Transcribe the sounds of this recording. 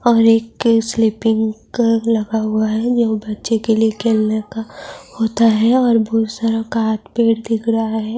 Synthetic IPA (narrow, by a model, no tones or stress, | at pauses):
ɔːɾeːkslɪpɪ̃ŋɡ | lɐɡaɦʊaɦɛd͡ʒoːbɐtːʃekeliekʰeːlnekahoːt̪aɦɛɔːɾbɔːt̪saɾəkaɦat̪peːɽd̪ɪkʰɾɐɦaɦɛː